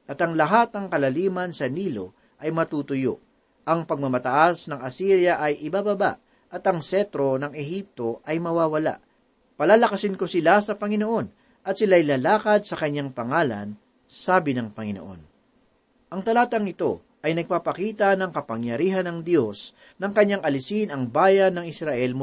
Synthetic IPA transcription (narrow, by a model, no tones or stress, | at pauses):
ʔɐt̪ɐŋlɐɦat̪̚ɐŋkɐlɐliːmɐnsɐniːlo̞ | ʔɐjmɐt̪uːt̪ʊjo̰ʔ | ʔɐŋpɐɡ̚mɐmɐt̪ɐʔasnɐŋɐsiɾjɐʔɐjʔɪbabɐba̰ʔ | ʔɐt̪ɐŋsɛt̪ɾo̞nɐŋɛhip̚t̪o̞ʔɐjmɐwaːwɐla̰ʔ | pɐlaːlɐkɐsɪnko̞sɪlasɐpɐŋɪno̞ʔo̞n | ʔɐt̪̚sɪlajlɐlaːkɐd̪̚sɐkɐɲːaŋpɐŋaːlɐ̰n | saːbɪnɐŋpɐŋɪno̰ʔo̞̰n | ʔɐŋt̪ɐlaːt̪ɐŋɪt̪o̞ | ʔɐjnɐɡ̚papɐkiːt̪ɐnɐŋkɐpɐŋjɐɾiːɦɐnɐŋd̪jo̞s | nɐŋkɐɲːaŋɐlɪsinɐŋbaːjɐnːɐŋɪsɾɐʔɛlmʊ